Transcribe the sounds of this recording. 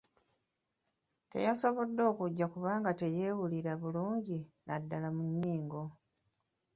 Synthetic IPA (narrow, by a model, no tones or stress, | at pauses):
te̞̰jaso̞βo̞dːo̞ːkuɟːakuβaːŋɡate̞je̞ːwuliɾaβuluːɲɟinadːalamunːiːŋɡo̞